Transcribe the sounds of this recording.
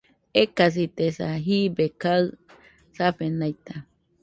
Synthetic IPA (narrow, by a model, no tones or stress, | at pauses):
ekas̬it̪esaɦibekaɨ | saɸenajt̪a